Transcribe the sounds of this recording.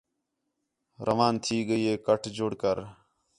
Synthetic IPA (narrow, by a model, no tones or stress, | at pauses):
ɾʔəʋaːnt̪ʰiːɡəiːɦeːkəʈʰd͡ʒʱʊɽkəɾ